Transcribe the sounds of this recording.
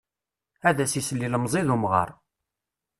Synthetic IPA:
æðæsisəlːiləmzˤiðumʁə̰ɾˤ

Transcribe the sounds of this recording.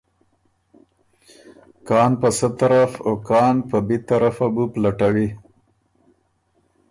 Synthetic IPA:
kɑːnpəsət̪aɾafokɑːnpəbet̪aɾafabuplaʈawi

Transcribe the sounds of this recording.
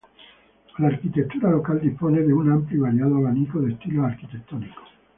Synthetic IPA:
larkit̪et̪ːuːɾalokald̪ispoːned̪eunamplovaɾjaːd̪oalaniːkod̪est̪iːloark̟it̪et̪ːɔːniko̥

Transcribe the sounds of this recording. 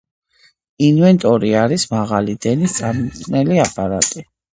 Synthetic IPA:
invɛnt̪ʼɔɾiaɾismaʁalid̪ɛnist̪sʼamimʼnɛliapʼaɾat̪ʼi

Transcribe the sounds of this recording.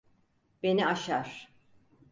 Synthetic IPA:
b̥e̞niaʃaɾ̥

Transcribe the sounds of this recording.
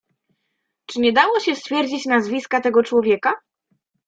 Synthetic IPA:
t͡ʂɘɲɛd̪awɔɕɛst̪fʲjɛɾd͡ʑit͡ɕnazvʲiskat̪ɛɡɔt͡ʂwɔvʲjɛka

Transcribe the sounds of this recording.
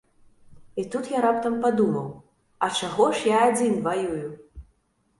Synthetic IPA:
it̪ut̪jaɾap̚t̪ɐmpad̪umɐw | ɐt͡ʂaɣɔʂjaːd͡zʲinvajuju

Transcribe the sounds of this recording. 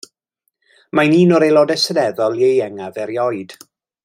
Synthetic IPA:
majniːnɔɾejlˠɔdɛsənɛðɔlˠjejɛŋavɛɾjɔɨd̥

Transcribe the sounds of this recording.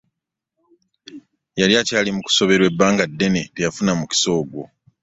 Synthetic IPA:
jaljacaːlimuku̥so̞βe̞ɾwe̞bːaːŋɡadːe̞ne̞te̞jafunamuci̥so̞ːɡwo̞

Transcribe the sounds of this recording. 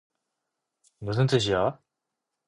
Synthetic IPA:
mus̬ʰɯnt̪͈ɯɕ̬ija

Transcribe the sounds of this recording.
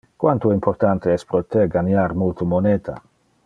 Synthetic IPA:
kwant̪uimport̪ant̪eɛspɾot̪eɡanjaɾmult̪omoneːt̪ʰa̰

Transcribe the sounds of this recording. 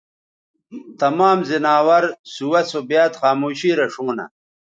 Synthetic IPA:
t̪ɐmaːmzinaːwɐɾsuwɐsobjaːt̪xaːmuːɕiːɾɐʂuːnɐ̰

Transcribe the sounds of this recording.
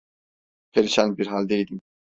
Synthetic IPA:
pʰeɾiʃænbiɾɦalʲd̪ejd̪im

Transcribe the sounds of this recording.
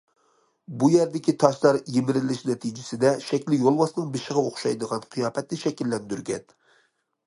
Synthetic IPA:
bujɛɾd̪ɪkʲʰit̪ʰɑʃlˠɑɾjemɪɾɪlɪʃnɛt̪ʰid͡ʒɪsɪd̪ɛʃɛkʲlɪjolˠwɑsnɨŋbeʃɪʁɑoχʃɑjd̪əʁɑnqʰijɑːpɛt̪nɪʃɛkʲilːɛnd̪yɾɡʲɛ̰n

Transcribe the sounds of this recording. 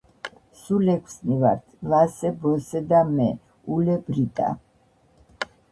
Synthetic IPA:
sulɛkʰsnivaɾt̪ʰlasɛbɔsɛd̪amɛ | ulɛbɾit̪ʼa̰

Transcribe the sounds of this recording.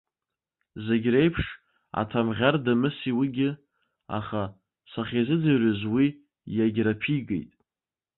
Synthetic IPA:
zeɡʲrejpʰʂ | a̰tʰamʁʲardamɨsiwiɡʲɪ | a̰χa | saχʲezɨd͡zarʷazwi | jaɡʲrapʰiɡʼejtʼ

